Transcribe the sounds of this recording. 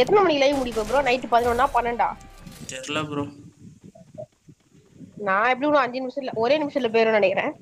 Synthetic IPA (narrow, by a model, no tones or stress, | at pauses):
ɛt̪ːɐnɐmɐnːilɐjmʊɽɪʋẽp̬ːɪɾõːnɐɪʈːɯpɐðɪnɐ̃nːaːpɐnːɐɳɖa̰ːt͡ʃɛɾlapɾõ | nãːɛpːɐɽiknːʊ̃ɐɲd͡ʒɐnɪmɪʂɐɪlɐʔɔɾeːnɪmɪʂɐt̪ɪlɐpeːɾʊ̃nɐɳɛkːɪɾḛ̃ː